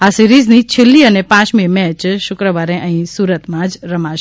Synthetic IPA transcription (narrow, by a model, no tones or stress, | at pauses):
asiɾiznit͡ʃʰelːiənepãt͡ʃmimɛ̃t͡ʃʃʊkɾəʋaɾẽʔə̃ɦĩsuɾət̪mãd͡ʒɾəmãʃ